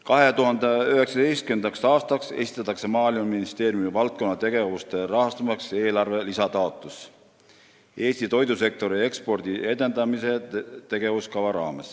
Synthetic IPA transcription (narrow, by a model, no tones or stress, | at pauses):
kɑɦe̞t̪uɦɑnd̪eyɦe̞ksɑd̪e̞jst̪kynd̪ɑksɑːst̪ɑkse̞̰si̥t̪ːˑɑt̪ːˑɑkse̞mɑːlimɑnminist̪e̞ːɾjumivɑlt̪̚ko̞nːɑt̪e̞ɡe̞vust̪e̞ɾɑɦɑst̪ɑmɑkse̞ːlɑrve̞lisɑt̪ɑo̞t̪ˑːus | e̞ːst̪it̪o̞jd̪use̞k̚t̪o̞ɾie̞kspo̞rd̪ie̞d̪e̞nd̪ɑmise̞t̪e̞ɡ̥e̞vuskɑvɑɾɑːmḛs